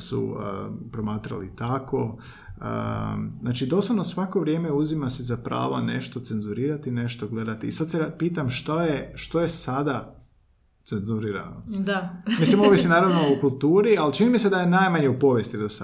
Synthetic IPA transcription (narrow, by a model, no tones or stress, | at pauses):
sṵə̰pɾo̞maːt̪ɾa̰lḭt̪ako | ə̰znaːt͡ʃid̪o̞slˠoʋnosʋako̞ʋɾje̞ːme̞uzimasizapɾa̰ːʋane̞̰ʃt̪o̞t̪se̞nzuɾiːɾat̪ine̞ʃt̪oɡle̞d̪at̪iːsad̪seɾapiːt̪amʃt̪ojeʃt̪o̞jesad̪a | t̪se̞nzuɾiːɾa̰nod̪amislimoʋisinaːɾaʋnoukulˠt̪uːɾialt͡ʃinimised̪ajenajmaɲeupo̞ʋjest̪id̪osa